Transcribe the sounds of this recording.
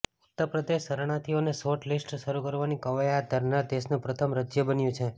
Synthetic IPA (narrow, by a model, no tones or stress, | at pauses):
ʊt̪ːəpɾəd̪eʃːəɾɽ̃at̪ʰionesoʈlisʈʃəɾukəɾʋanikəʋajad̪ʱəɾnad̪esnũpɾət̪ʰəmɾəd͡ʒjəbənjũt͡ʃʰe